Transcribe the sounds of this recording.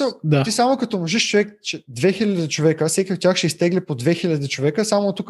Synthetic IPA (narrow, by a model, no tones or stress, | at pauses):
səlˠd̪at̪isamokɐt̪ɔmoʒiʃt͡ʃovɛkt͡ʃɛd̪vɛxilʲɐd̪it͡ʃovɛkəfsɛkʲiot̪ʲːjaxʃɛist̪ɛɡlʲipod̪vɛxilʲɐd̪it͡ʃovɛkəsamot̪uk